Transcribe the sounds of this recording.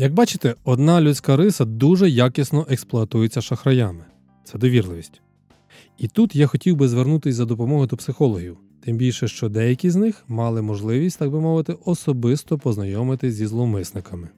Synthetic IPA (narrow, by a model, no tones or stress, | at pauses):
jɐɡ̚bɑt͡ʃɪ̥t̪ɛɔd̪nɑlʲusʲkɑɾɪsɐd̪uʒɛjakisnɔʔɛksplˠɔɐt̪ujet͡sʲːɐʃɐxɾɐjɑmɪ | t̪sɛd̪ɔʋʲirlˠɪʋʲisʲtʲ | it̪ut̪jaxɔtʲiwbɪzʋernut̪ɪsʲzɐd̪ɔpɔmɔɦɪd̪ɔpsɪxɔlˠɔɦʲiw | t̪ɪmbʲilʲʃɛʃt͡ʃɔd̪ɛjɐkʲiznɪxmɑlˠɪmɔʒlˠɪʋʲisʲtʲt̪ɑɡ̚bɪmɔʋɪt̪ɪʔɔsɔbɪst̪ɔpɔznɐjɔmɪt̪ɪzʲzʲizlˠɔmɪsnɪkɐmɪ